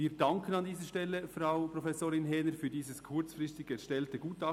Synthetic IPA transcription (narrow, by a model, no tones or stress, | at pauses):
iːdɑŋkʰənɑndiːzəʃtɛlːəfraʊpɾofɛsoːɾɪnɦɛːnəɾfyːdiːzəskʰʊɾt͡sfɾɪstɪɡ̥ɛʃtɛltəɡuːtɑ